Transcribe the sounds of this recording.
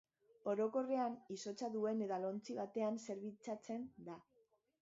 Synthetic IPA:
o̞ɾo̞ko̞re̞aniso̞t͡saðue̞ne̞ðalo̞nt͡siβat̪e̞anse̞ɾβit͡sat͡se̞nd̪a

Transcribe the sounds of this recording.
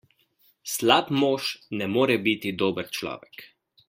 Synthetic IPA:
slapmoːʃnɛmoːɾɛbit̪id̪oːbəɾt͡ʃlɔ̰ːʋɛk

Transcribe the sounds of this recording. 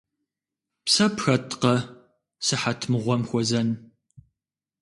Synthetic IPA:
psɐpʰxɐtʼqɐ | sɨħatʰmɨʁʷɔmxʷɔzɐn

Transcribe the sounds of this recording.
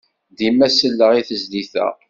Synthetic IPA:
d̪imæsəlːəʁiθəzliθæ̰

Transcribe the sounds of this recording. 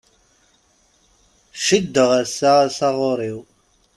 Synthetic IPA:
ʃəd̪ːəʁæsæsɑʁoɾˤiw

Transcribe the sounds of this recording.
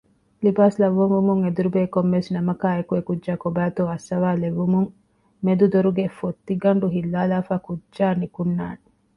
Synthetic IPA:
libaːslɐʋːumumuŋed̪uɾubeːkomːesnɐmɐkaːekuekud͡ʒʒaːkobæːt̪uɐsːɐʋaːleʋːumuŋ | med̪ud̪oɾuɡefot̪ːiɡɐɳɖuɦilːaːlaːfaːkudʒaːnikunːaːne

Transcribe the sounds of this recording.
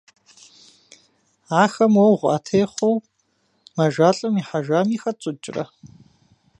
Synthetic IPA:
aːxɐmwowʁʷa̰tʰejχʷow | mɐʒʷaːɬʼɨmiːħaʒʷaːmiːxɐt͡sʷʼʊt͡ʃʼrɐ̰

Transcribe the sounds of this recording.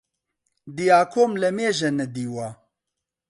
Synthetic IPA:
d̪ijaːkʰoːmlɛmeːʒɛnɛd̪iːwa

